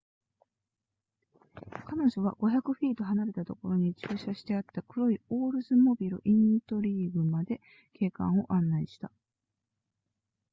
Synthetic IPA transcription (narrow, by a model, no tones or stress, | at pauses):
kano̞ʑo̞βa̰ɡ̥o̞çʲakɯ̟ɸʲiːt̪o̞ɦanaɾe̞t̪at̪o̞ko̞ɾo̞ɲ̟it͡ɕɨːɕaɕi̥t̪e̞at̪ːakɯ̟ɾo̞io̞ːɾɯ̟zɨmo̞bʲiɾɯ̰ʔĩnt̪o̞ɾʲiːbɯ̟mad̪e̞ | kʰe̞ːkã̰ɰ̃o̞ʔãnːaiɕi̥t̪a